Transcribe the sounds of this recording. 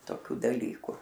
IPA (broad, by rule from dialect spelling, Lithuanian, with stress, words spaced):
toːˈkʲuː dɐˈlʲiːkʊ